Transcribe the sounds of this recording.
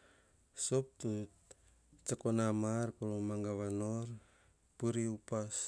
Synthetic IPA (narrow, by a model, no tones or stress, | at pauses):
sop̚t̪u | t͡ʃakonamarpulomaŋɡaβanor | puɾiupas